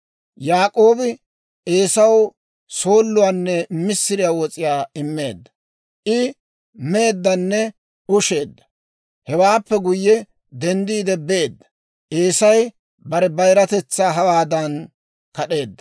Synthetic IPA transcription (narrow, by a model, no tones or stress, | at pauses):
jaːkʼo̞ːbɪ | eːsɐw | so̞ːlːʊwaːnːɛmɪsːɪɾɪjaːwɔt͡sʼɪjaːɪmːe̞ːd̪ːɐ̥ | ʔɪ | me̞ːd̪ːɐnːɛ | ʊʃe̞ːd̪ːɐ̥ | hɛwaːpːɛɡʊjːɛ | d̪ɛnd̪iːd̪ɛbe̞ːd̪ːɐ̥ | ʔeːsɐj | bɐɾɛbɐjɾɐt̪ɛt͡sːaːɦɐwaːd̪ɐn | kɐɗe̞ːd̪ːɐ̥